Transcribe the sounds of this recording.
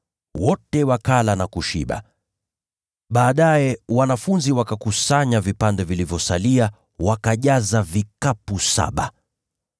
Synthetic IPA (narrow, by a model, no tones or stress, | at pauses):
wɔtɛwakalanakuʃḭɓa̰ | ɓaːɗajɛwanafunziwakakusaɲavipandɛvilivjɔsalia | wakaʄazavikapusa̰ɓa